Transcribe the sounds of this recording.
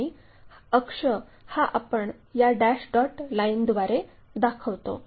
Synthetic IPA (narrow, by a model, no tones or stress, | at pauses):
i | əkʂəhaʔapəɳ | jaɖæɕɖɔʈlaind̪ʋaɾe | d̪akʰəʋt̪o̰